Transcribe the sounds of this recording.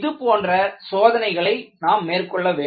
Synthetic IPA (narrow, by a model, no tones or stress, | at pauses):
ðɯpoːndrɐsoːðɐnɐɪɣɐɭɐɪnaːmːeːrkɔɭːɐʋeː